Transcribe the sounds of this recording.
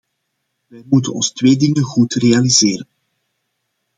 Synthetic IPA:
ʋɛjmutənɔ̰nstʋeːdɪŋənɣutrealizeːɾən

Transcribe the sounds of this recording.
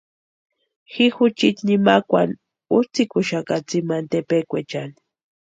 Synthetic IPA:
xixʊt͡ʃit̪nimakʷa̰n | ut͡sikʊʃakat͡simant̪epekʷet͡ʃani̥

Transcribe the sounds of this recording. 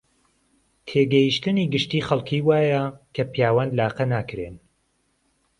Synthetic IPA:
t̪ʰeːɡɛjiʃt̪ɨniːɡɨʃt̪iːχɐlˠkʰiːwaːjɐkʰɐpijaːwanlaːqɐnaːkɾeːn

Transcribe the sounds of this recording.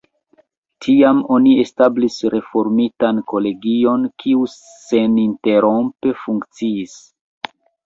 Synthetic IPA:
tʰiamo̞nie̞stablisɾe̞fo̞ɾmitanko̞le̞ɡio̞nkʰiuse̞ninte̞ɾo̞mpe̞fuŋkt͡siːs

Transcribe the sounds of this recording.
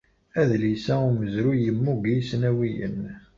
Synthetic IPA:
æðlisæʊməzɾujəmːuɡijsnæwijə̰n

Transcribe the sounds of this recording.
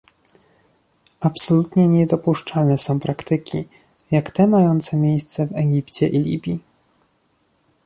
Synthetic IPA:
apsɔlut̪ɲɛɲɛd̪ɔpuʂt͡ʂalnɛsɔ̃w̃pɾakt̪ɘkʲḭ | jakt̪ɛmajɔnt̪sɛmʲjejst̪sɛvɛɡʲipt͡ɕɛʔilʲḭbʲji

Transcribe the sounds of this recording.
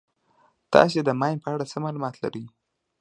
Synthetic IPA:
t̪ɑ̰s̬ed̪əmɑjnpəaɽat͡səmɑlumɑt̪la̰ɾəj

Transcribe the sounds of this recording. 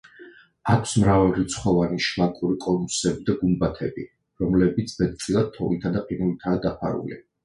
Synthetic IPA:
akʰsmɾavɛɾit̪sʰχɔvaniʃmakʼuɾikʼɔnusɛbid̪aɡumbat̪ʰɛbi | ɾɔmlɛbit̪sʰbɛt̪̚t̪sʼilˠad̪̚t̪ʰɔ̰lit̪ʰad̪aqʼinulit̪ʰaːd̪apʰa̰ɾṵlḭ

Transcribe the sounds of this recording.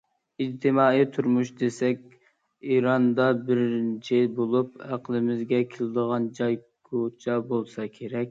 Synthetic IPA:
id͡ʒt̪ʰɪmɑːit̪ʰuɾmuʃd̪esɛkʲ | iɾɑnd̪ɑbɪɾnt͡ʃʰɪbolˠup̚æqlˠɪmɪzɡʲɛkʲʰelɪd̪əʁɑnd͡ʒɑjɡʰot͡ʃʰɑbolˠsɑkʲʰeɾɛk̚ʲ

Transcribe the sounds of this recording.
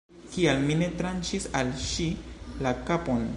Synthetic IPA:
kialmine̞tɾant͡ʃisalʃilakapo̞n

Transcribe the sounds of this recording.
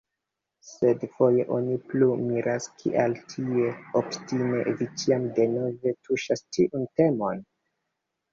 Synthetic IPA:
se̞dfo̞je̞ʔo̞niplumiɾaskʰḭʔaltʰie̞optime̞vit͡ʃiamde̞no̞ve̞tuʃastiʔunte̞mo̞n

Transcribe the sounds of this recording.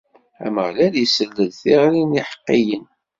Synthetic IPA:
æ̰məʁlæljəsəlːəðθiʁɾiniħə̥qːijən

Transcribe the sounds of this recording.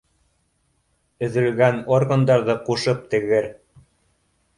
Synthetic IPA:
ɵ̆ðɘ̆lɡænorɣɤ̆nd̪ɑɾðɤquʃɤp̚t̪ɘ̆ɣɘɾ

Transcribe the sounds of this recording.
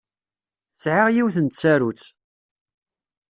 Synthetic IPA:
t͡sːʕaʁjiwθənt̪t͡sːæɾut͡sː

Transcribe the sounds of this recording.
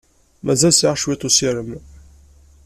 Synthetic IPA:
mæzælsiʁʃwit̪ˤusiɾəm

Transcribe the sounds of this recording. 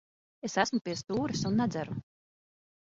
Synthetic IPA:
esæsmupʲiɛst̪uːɾɨsunːad̪zæɾu

